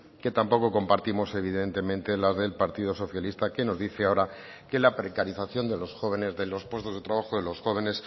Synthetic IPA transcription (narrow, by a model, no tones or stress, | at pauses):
ke̞t̪ampo̞ko̞ko̞mpaɾt̪imo̞se̞β̞iðe̞nt̪e̞mẽ̞nt̪e̞lazðe̞lpaɾt̪iðo̞so̞θjalist̪ake̞no̞zðiθeao̞ɾa | ke̞lapɾe̞kaɾiθaθjo̞nd̪e̞lo̞sxo̞βe̞ne̞zðe̞lo̞spwe̞st̪o̞zðe̞t̪ɾaβaxo̞ðe̞lo̞sxo̞β̞e̞ne̞s